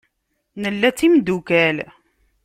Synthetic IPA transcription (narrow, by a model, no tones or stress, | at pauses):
nəlːæt͡sːimd̪ukæl